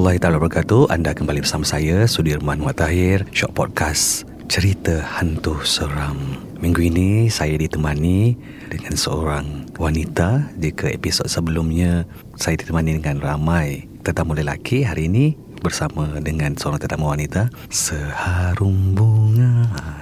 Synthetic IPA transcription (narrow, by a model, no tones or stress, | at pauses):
ɔlːaɦit̪aalabərkat̪uʔa̰ndakəmbalibərsamasajasudirmanwaʔt̪aɦɪrʃɔʔ̚pɔd̚kʰas | t͡ʃəɾit̪əhant̪ʊhsəɾam | miŋɡuinisajadit̪əmani | dəŋansəo̰ɾaŋwanit̪ad͡ʒikʰəḛpisod̚səbəlumɲa | sajadit̪əmanidəŋanramaj | t̪ərt̪amuləla̰kʰiɦaɾiːni | bərsamədəŋansəoɾaŋt̪ərt̪aməwanit̪a | səhaɾumbuŋa